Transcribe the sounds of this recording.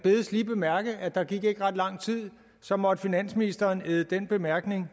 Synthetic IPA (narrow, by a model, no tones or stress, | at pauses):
b̥e̝ːðˠəsliːb̥e̝mæɐɡ̥ð̩ˠæd̥ɑ̈ɡ̥iɡ̥e̝ɡ̥ʁɑ̈d̥lɑ̈ŋ̰t͡sʰið̰ˠ | sɒ̽mɒ̽d̥əfinæn̰sminisd̥ɐːneðˠəd̥en̰b̥e̝mæɐɡ̥ne̝ŋ